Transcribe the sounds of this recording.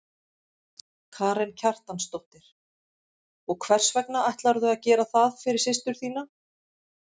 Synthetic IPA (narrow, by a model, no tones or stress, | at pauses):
kʰaːɾɛncʰar̥t̪anst̪owht̪ɪɾ̥ | ɔɣkʰvɛr̥svɛknaajht̪laɾðʏaðcɛːɾaθaðfɪɾɪɾ̥sɪst̪ʏɾ̥θiːna